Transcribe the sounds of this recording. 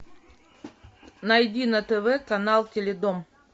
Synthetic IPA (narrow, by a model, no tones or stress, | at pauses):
nɐjdʲinɐt̪ɛvɛkɐnalˠtʲelʲed̪om